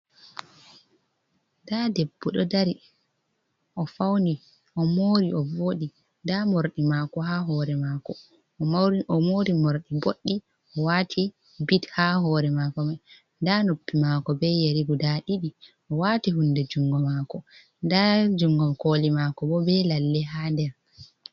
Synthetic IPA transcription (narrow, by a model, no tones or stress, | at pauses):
dadɛbːuɗɔ̰daɾi | ʔɔfawni | ʔɔmoɾiɔvoɗi | ndamoɾɗimakɔɦaɦɔːɾɛmaːkɔ | ɔmoɾimoɾɗiboɗːi | ʔɔwaːtʰi | bithaɦɔɾɛmakɔma | ndanopːimaːkɔbɛjeɾiɡudaɗiɗi | ʔɔwatiɦundɛd͡ʒuŋɡɔmakɔ | ndad͡ʒuŋɡɔmkolimakɔbɔbɛlalːɛɦandɛɾ